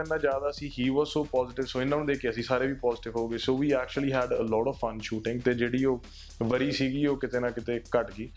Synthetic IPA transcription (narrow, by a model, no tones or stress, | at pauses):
ɛːnːãːd͡ʒjaːd̪aːəsĩːɦiːʋɔːzsoːpɔːzɪʈɪʋsoːɪnːãːnũd̪eːkʰeːəsĩːsaːɾeːʋiːpɔːzɪʈɪʋɦoːɡeːsoːʋiːɛːk̚t͡ʃuliːɦɛːɖəlɔːʈɔʋfə̃nʃuːʈɪ̃ŋɡt̪eːd͡ʒeːɽiːoː | ʋəɾiːsiːɡiːoːkɪt̪eːnãːkɪt̪eːkəʈɡiː